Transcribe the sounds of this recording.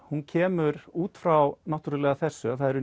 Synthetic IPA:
huncʰɛːmʏɾuːt̪fɾawnawht̪yɾɪlɛːɣaθɛr̥sʏaθaðɛɾʏ

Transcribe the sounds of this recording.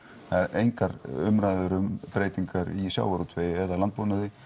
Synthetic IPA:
θaðɾejŋkaɾʏmɾaːjðʏɾʏmpɾeːjt̪iŋkaɾisja̰ːwaɾut̪ʰveːjɪɛðalant̪̚puːnaðɪ

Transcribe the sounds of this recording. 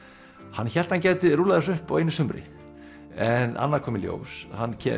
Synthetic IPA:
hanːçɛl̥t̪hancaːjt̪ɪɾuːlaðɪsʏhpɔ̰wejnːɪsʏmɾɪ̰ | ɛna̰nːaɾkʰɔːmɪljo̰ːwshanːcʰɛ

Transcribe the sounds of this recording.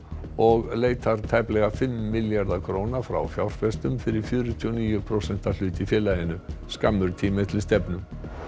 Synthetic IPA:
ɔɣleːjt̪aɾ̥t̪ʰajplɛɣafɪmːɪljaɾðakʰɾoːwnafɾa̰wfjawɾ̥fɛst̪ʏmfɪɾɪɾ̥fjʏːɾʏt̪ʰyɔniːjʏpʰɾowsɛn̥t̪al̥ʏːt̪ifjɛːlajɪnʏskamːʏɾt̪ʰiːmɪt̪ʰɪlst̪ɛpnʏm

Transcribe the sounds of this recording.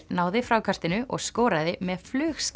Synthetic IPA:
naːwðɪfɾaːwkʰar̥t̪ɪnʏʔɔ̰ɣskoːɾaðɪmɛðflʏːxs

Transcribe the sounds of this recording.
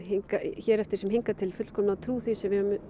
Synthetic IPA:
hiŋkaçɛːɾɛft̪ɪɾ̥sɛmɦiŋkat̪ʰɪlfʏt̪l̥kʰɔmnat̪ʰɾuːθisɛmvɪhɛʏm

